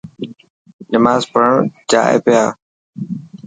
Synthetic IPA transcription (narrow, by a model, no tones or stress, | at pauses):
nɪmaːzpəəɳd͡ʒa̰ːḛːpɪjaː